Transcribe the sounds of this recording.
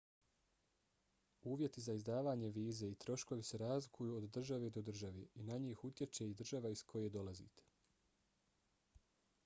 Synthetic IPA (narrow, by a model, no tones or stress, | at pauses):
uːʋje̞t̪izaizd̪aːʋaːɲe̞ʋiːze̞it̪ɾo̞ʃko̞ʋise̞ɾaːzlikʰujuod̪ːr̩ʒaʋed̪o̞d̪r̩ʒaʋeinaɲiːxut̪je̞t͡ʃe̞id̪r̩ʒaʋaiskʰo̞je̞d̪o̞lazḭːt̪e̥